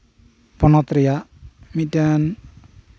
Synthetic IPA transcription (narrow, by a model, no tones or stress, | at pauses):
pɔnɔt̪ɾiamidan